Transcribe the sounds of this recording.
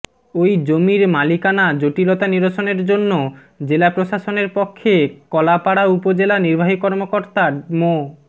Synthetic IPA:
ojd͡ʑomiɾmalikanad͡ʑoʈilɔt̪aniɾoʃoneɾd͡ʑonːo | d͡ʑelapɾoʃaʃoneɾpɔkʰːekɔlapaɽaupod͡ʑelaniɾbʱaɦikɔɾmokoɾt̪amo

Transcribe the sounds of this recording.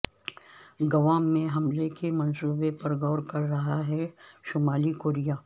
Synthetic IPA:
ɡɐʋaːmːẽɦɐmlekemɐnsuːbepɐɾɡɔːɾkɐɾːɐɦaɦɛʃʊmaːlikoːɾijaː

